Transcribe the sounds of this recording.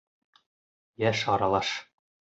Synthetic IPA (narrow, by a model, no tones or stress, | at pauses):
jæʃɑɾɑlˠɑʃ